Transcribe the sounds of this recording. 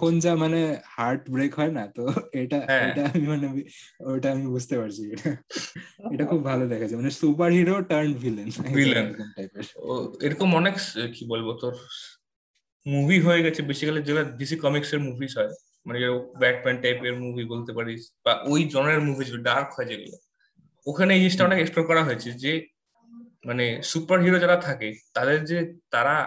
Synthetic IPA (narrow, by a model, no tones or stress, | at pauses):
kʰond͡ʑamanehaɾʈbɾekɦɔenat̪oeʈaɦɛ̃eʈaamimaneiojʈaamibud͡ʑʱt̪epaɾt͡ɕʰieʈa | eʈakʰubbʱalod̪ɛkʰat͡ɕʰajmanesupaɾɦiɾoʈəɾnbʱilenilemɛnʈajpeɾeɾokomɔnekskibolbot̪oɾ | mubʱiɦoeɡɛt͡ɕʰebeʃikʰaled͡ʑelabis̬ikɔmikseɾmubʱiʃɦɔe | maned͡ʑeɾoblɛʈ̚mɛnʈajpeɾmubʱibolt̪epaɾibaʔojd͡ʑɔnaleɾmubʱid͡ʑibeɖaɾkɦɔed͡ʑeɡ̰lo̰ | okʰaneejd͡ʑeʃʈaɔnekespɾoɾkɔɾaɦojet͡ɕʰed͡ʑe | manesupaɾɦiɾod͡ʑaɾat̪ʰaket̪ad̪eɾd͡ʑet̪aɾa